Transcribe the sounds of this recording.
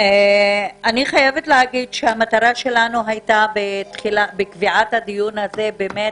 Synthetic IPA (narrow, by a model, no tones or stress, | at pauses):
e | aniχajevetleɦaɡidʃehamataʁaʃe̞lanuɦajtabetχilabekviʔathadijunaze̞beːmet